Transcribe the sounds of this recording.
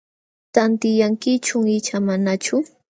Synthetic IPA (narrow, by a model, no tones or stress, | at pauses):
t̪ant̪ɪjaŋkɪt͡ʃʊŋɪt͡ʃamanat͡ʃʊ